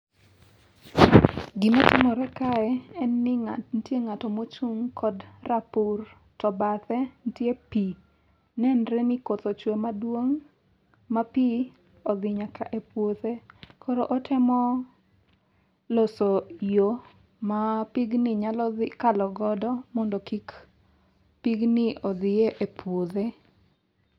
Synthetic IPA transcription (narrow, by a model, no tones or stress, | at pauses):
ɡɪmɔtɪmɔɾɛkaɛɛnːɪntjeŋatɔmot͡ʃuŋkʰɔdrapur | tɔbat̪ɛntjepi | nɛnɾɛnɪkot̪ot͡ʃwomadwoŋ | mapi | ɔðɪɲakʰaʔepwoðekʰoɾoʔɔtɪmɔ | losojo | mapiɡnɪɲalɔðɪkalɔɡɔdɔmɔndɔkik | piɡnɪʔɔd̪ɪjeʔepwoðe